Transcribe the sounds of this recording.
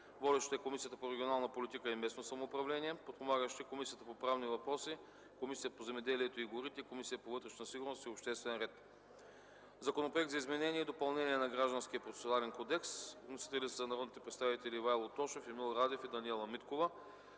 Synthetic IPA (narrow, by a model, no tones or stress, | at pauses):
vɔd̪ɛʃt̪ɛkomisijət̪əpoɾɛɡʲionalˠnəpolʲit̪ikəimɛsnosɐmoːpɾɐvlɛnʲiɛpot̪̚pomaɡəʃt̪ikomisijət̪əpopɾavnivɐpɾɔsi | komisiət̪pozɛmɛd̪ɛliɛt̪oiɡoɾit̪ɛikomisijəpovɤt̪ɾɛʃnəsiɡʊɾnost̪iopʃt̪ɛst̪vɛnɾɛt̪ | zɐkonopɾoɛk̚td̪zɐizmɛnɛniɛid̪opɐlˠnɛniɛnɐɡɾaʒd̪ənskiəpɾot̪ɛ̥sʲonalɛnkod̪ɛksnosi̥t̪ɛlʲit̪sɛzɐnɐɾɔd̪nit̪ɛpɾɛt̪st̪avit̪ɛlivajlˠot̪ɔʃefimilˠɾad̪ɛfid̪ɐniɛlˠɐmit̪kovə